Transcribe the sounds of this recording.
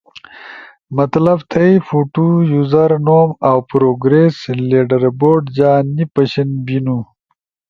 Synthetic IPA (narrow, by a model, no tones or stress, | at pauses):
mɐt̪lɐbt̪ʰɐjfuʈujuzɐɾnoːmawpɾoːɡɾesleːɖɐɾboːɖd͡ʑaːnːipɐɕinbinu